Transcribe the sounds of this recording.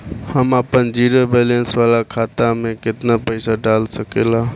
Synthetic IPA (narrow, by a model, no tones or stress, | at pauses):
həmapənd͡ʒiɾobelensʋalakʰat̪ameket̪napəɪsaɖalsəkela